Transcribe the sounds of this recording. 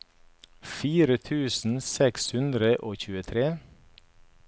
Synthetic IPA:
fiːɾət̪ʰʉːsn̩sɛkshʉnd̪ɾəʔoːçʉːət̪ʰɾeː

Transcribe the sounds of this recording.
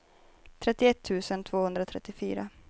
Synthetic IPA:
t̪ʰɾɛt̪ːɪɛt̪ʰːʉ̟ːsənt̪ʰv̥oːhɵnd̪ɾat̪ʰɾɛ̰t̪ːɪfyːɾa̰

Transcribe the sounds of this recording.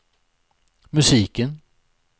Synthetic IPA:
mɵsiːkən

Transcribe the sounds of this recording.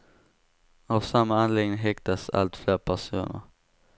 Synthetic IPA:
avsamːaanleːɡnɪŋɦɛkt̪asa̰lt̪fleːɾpʰæʂṵːnə̰ɾ

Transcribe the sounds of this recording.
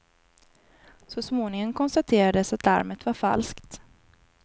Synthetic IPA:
sɔsmoːnɪŋəŋkʰɔnst̪at̪ʰeːɾad̪əsat̪la̰ɾmət̪vaɾfa̰lskt̪

